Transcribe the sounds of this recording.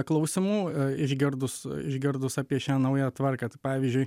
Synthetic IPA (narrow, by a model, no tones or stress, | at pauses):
klˠɐʊsʲɪmuːɪʒʲɡʲɪɾd̪ʊsɪ̰ʒʲɡʲɪɾd̪ʊsɑːpʲiɛʃʲæːnɐʊjæːt̪ʋɐrkɑːt̪ɐɪpɑːʋʲiːzʲd͡ʒʲʊɪ